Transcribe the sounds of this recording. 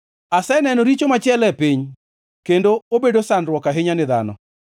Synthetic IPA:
asɛnɛnɔɾit͡ʃomat͡ʃɪɛlɛpiɲ | kendoobedosanɾwɔkaɦɪɲanɪða̰nɔ̰

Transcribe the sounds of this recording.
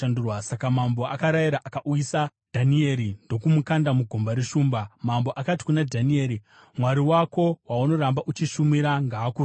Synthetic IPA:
andurwasakamambo̞akaɾajiɾaʔakaʔuisa | d̥ʱanie̞ɾindo̞kumukandamuɡʱo̞mbaɾeʃuːmbamambo̞ʔakati̥kunadʱanie̞ːɾi | mwaɾiwako̞wauno̞ɾambaʔut͡ʃiʃumiɾaŋɡaːku

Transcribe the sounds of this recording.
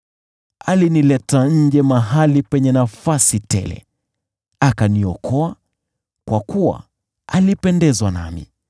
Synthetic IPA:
alinilɛtaɲ̩d͡ʒɛmaɦalipɛɲɛnafasitɛ̰lɛ̰ | akaniɔkʰɔa | kwakuwa̰ | alipɛndɛzwana̰mḭ

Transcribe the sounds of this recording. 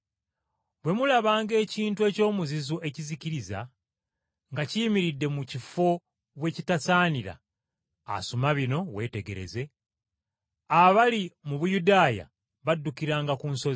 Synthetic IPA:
bwe̞mulaβaːŋɡe̞ːciːntue̞ːco̞ːmuzizoʔe̞ciziciɾiza̰ | ŋɡaciːmiɾidːe̞mucifo̞ | βwe̞ːcitasaːniɾa̰ː | sumaβino̞βwe̞ːte̞ɡe̞ɾe̞̰ze̞ | aβalimuβujudaːja̰ | βadːukiɾaːŋɡakuːnso̞zi

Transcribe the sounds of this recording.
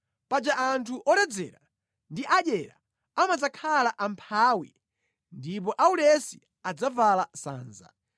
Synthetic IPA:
pad͡ʒaʔantʰuʔɔɾɛd͡zɛ̰ɾa | ndiʔaɗɛɾa̰ | amad͡zakʰalaʔampʰaːwḭ | ndip̬ɔʔaulɛsi | ad͡zavalasa̰ːnza̰

